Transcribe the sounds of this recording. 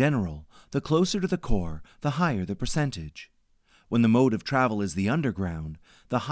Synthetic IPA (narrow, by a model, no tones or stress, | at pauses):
ɛnə˞l̩ˠ | ðɨkʰl̥oʊsə˞ɾɨðɨkʰɔɹðəɦaɪə˞ðɨpʰə˞sɛ̃ntɪd̥ʒ̥ | wə̃nðɨmoʊɾʌv̥tʰɹ̥ævl̩ˠɨzðiʌ̃ndə˞ɡɹãʊ̃n | ðəh